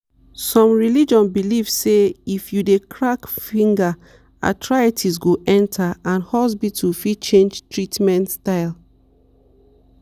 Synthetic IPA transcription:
sɔ̃mɹilid͡ʒɔ̃nbilivseifjudekʰɹakfĩŋɡa | a̰tʰɹajatʰisɡoʔɛ̃ntʰaãnhɔs̬bitʰufit͡ʃẽnd͡ʒtɹitmɛ̃ntstaɪl

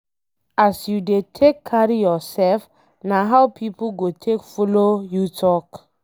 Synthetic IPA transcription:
ʔasjudetʰekʰːaɹijɔsɛlf | naɦawpʰipoɡotʰekfɔlojutʰɔk

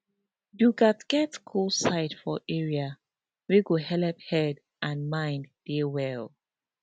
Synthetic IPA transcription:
duɡatɡ̥ɛtkʰulsaɪtfɔʔɛɹia | weɡohɛlɛphɛd | ʔãnmãɪ̃nddɛwɛl

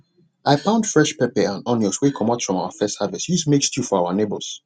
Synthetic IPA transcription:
ʔaɪpãʊ̃ndfɹɛʃpɛpɛãnɔ̃nɔswekʰɔ̃matfɹɔ̃mawəfɛsthavishismekstjufɔaʊənebəlˠs

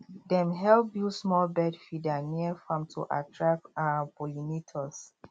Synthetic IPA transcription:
dɛ̃mɦɛlp̚jusmɔlbɛdfidaniəfãmtʰṵʔa̰tʰɹak̚abɔlinitʰɔs

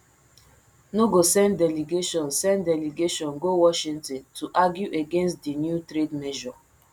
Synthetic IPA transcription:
noɡosɛ̃nddɛliɡeʃɔ̃nsɛ̃nddɛliɡeʃɔ̃nɡowɔʃĩntĩntʰuʔaɡjuʔeɡɛ̃nstdinjutɾedmɛʒɔ

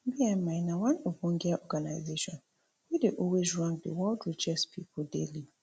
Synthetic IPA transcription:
biɛ̃mmãɪnawãnobɔ̃ŋɡɛaʔɔɡanaɪzeʃɔ̃n | wideʔɔwezɹãŋk̚də̰wɔldɹid͡ʒɛspʰipʰɔdḛli

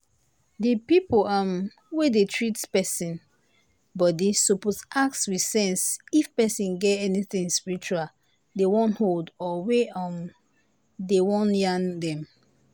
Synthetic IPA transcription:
dəpipolam | wedetʰɹitpɛsĩn | bɔdesuposʔak̚swisɛ̃nsifpɛsĩnɡɛtɛniθĩŋspiɹit͡ʃual | dewɔ̃ntholdɔweam | dewɔ̃njãndɛ̃m

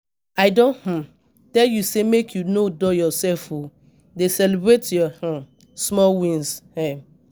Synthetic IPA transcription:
aɪdõnh̩ | tɛljusemekʰjunodɔjɔsɛlfo | desɛlibɹetjɔh̩ | smɔwĩnshɛ̃

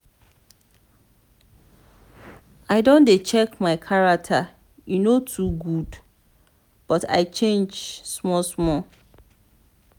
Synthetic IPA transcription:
aɪdõndet͡ʃʰɛkmãɪkʰaɹak̚tʰa | junotʰuɡud | b̥ɔtʰa̰ɪt͡ʃʰẽnd͡ʒsmɔlsmɔ

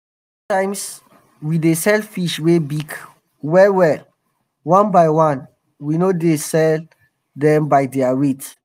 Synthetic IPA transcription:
s | tãɪms | widesɛlfiʃwebiɡ | wɛwɛl | wãnbajwãn | winodesɛl | dɛ̃mbaɪdɛaɹet

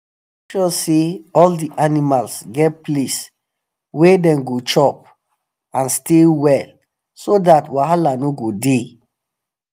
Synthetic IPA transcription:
ʃɔseɔldiʔanimalsɡɛt̚ples | wedɛ̃mɡot͡ʃɔp̚ | ãnstelwɛl | sodatwaɦalanoɡode

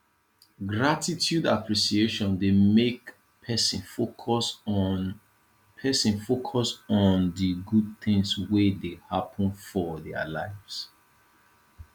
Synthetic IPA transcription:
ɡɹatitʰjudapʰɹisieʃɔ̃ndemek | pʰɛsĩnfokʰɔs | pʰɛsĩnfokʰɔsndəɡud̚θɪ̃ŋswedehapʰə̃nfɔdɛa̰laɪvs

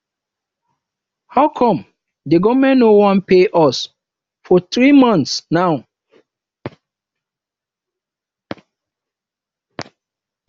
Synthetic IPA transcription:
haʊkʰɔ̃m | deɡɔvmɛ̃nnːowɔ̃npeʔɔs | fɔt̪ɾimɔ̃ntsnaʊ

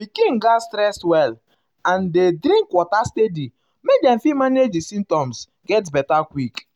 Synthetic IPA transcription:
bikĩnɡastɾɛswɛl | ãndedɾĩŋkwɔtastedi | mek̚dɛ̃mfimaned͡ʒisĩm̚tɔ̃ms | ɡɛt̬bɛtakwik

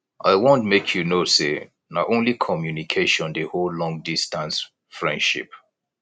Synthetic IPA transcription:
ʔa̰ɪwõntmekʰjunose | naʔõnlikʰɔmjunikʰeʃɔ̃ndehollɔ̃ŋ̚distãns | fɹɛ̃ndʃḭp̚

